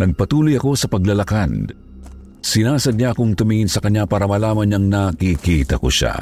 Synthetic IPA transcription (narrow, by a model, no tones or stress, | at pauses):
nɐɡ̚pɐt̪uːlojɐko̞sɐpɐɡlɐlɐkan | sɪnaːsɐd̪̚ɲaɐkʊŋt̪ʊmiŋɪnsɐkɐɲɲapaːɾɐmɐlaːmɐnɲɐŋnakikit̪ɐko̰ʃa̰